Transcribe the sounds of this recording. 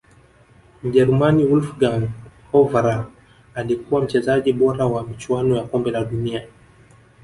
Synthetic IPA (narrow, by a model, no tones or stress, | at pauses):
m̩ʄɛɾumaniulfɡanhɔvaɾa | alikuwam̩t͡ʃɛzaʄiɓɔɾawamit͡ʃwanɔjakɔmbɛlaɗunia